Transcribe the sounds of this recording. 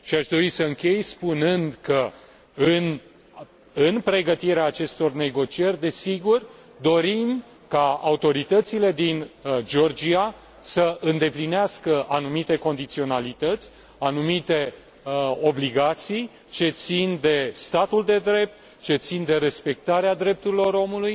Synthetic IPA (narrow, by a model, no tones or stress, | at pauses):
ʃiaʃd̪o̞ɾisəɨŋkʲe̞jspunɨnd̪kə | ɨn | ɨnpɾe̞ɡət̪iɾeaːt͡ʃe̞st̪o̞rne̞ɡo̞t͡ʃie̞rʲd̪e̞siɡur | d̪o̞ɾim | kaa̰ut̪o̞ɾit̪ət̪sile̞d̪ind͡ʒo̞rd͡ʒia | səʔɨnd̪e̞plineaskəʔanumit̪e̞ko̞nd̪it̪sio̞nalit̪ət̪sʲ | anumit̪e̞ | o̞bliɡat̪sij | t͡ʃe̞t̪sind̪e̞st̪at̪uld̪e̞d̪ɾe̞p̚t̪ | t͡ʃe̞t̪sind̪e̞ɾe̞spe̞k̚t̪aɾead̪ɾe̞p̚t̪uɾilo̞ɾo̞muluj